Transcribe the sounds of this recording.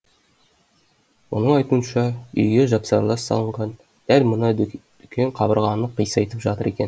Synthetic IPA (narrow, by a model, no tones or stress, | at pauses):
wo̞̰nəɴɑjt̪uənʃɑʏ̰jɡʲeʒɑpsɑɾlˠɑsːɑ̰lˠəɴʁɑn | d̪̥ælmənəd̪̥ʏkʲʰeɴqʰɑbəɾʁɑnəqijsɑjt̪əpʒɑt̪əɾe̞kʲe̞n